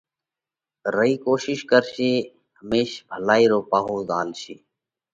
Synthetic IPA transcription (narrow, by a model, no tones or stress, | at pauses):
ɾəiːkoːʃɪʃkəɾʃeː | həmeːʃbʱəlaːiːɾoːpaːɦoːzaːlʃeː